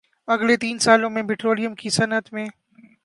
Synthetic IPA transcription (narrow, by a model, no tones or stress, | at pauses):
ɐɡlet̪iːnsaːlõmẽpɪʈɾoːlijəmkisɐnət̪mẽː